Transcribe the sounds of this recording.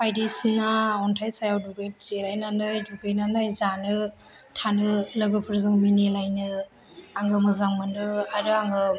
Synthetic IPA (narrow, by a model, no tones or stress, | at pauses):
pʰajdesinaɔntʰajsajawduɡɯjt̚zelajnandɯjduɡɯjnanajzanɯ | tʰanɯlɯɡɯpʰɯɾzɯŋminilajnɯ | aŋɡɯmɯzaŋmɯndɯaɾɯaŋɡɯ